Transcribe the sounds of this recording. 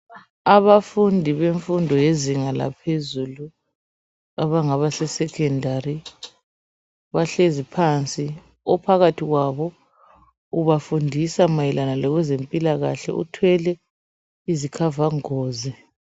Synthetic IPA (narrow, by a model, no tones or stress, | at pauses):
aβafundʱiβeɱfundʱɔjeziŋala̰pʰezulu | aβaŋaβasɛsɛkʰɛndʱari | βaɬezipʰant͡sʼi | ɔpʰaɣatʰiɣwaβɔ | uβafundʱisamajɛlanalɔɣwɛzempʼilaɣaɬɛ̰ʔṵtʰwɛlɛ | izikʰavaŋoːzɛ